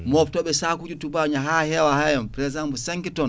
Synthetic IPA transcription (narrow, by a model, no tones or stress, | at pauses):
mɔftɔɓɛsakud͡ʒutubaɲaɦahɛwahajɔnpɔɾɛzambusaŋkitɔn